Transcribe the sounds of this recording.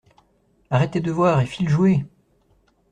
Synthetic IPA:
aʁɛt̪ed̪əvwaʁefilʒue

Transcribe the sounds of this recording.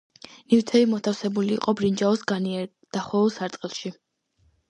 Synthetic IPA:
nivt̪ʰɛimɔt̪ʰafsɛbulḭːqʼɔbɾind͡ʒaɔsɡaniɛɾ | d̪̥aχɔlˠsaɾt̪sʼqʼilˠʃi

